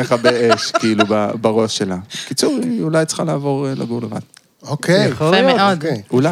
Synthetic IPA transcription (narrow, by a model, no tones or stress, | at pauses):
eχabeeʃkiilubabaʁo̞ʃelakit͡suʁiulajt͡sχalaːvo̞ʁla̰ɡuʁleva̰d̥ | okʰeemeodula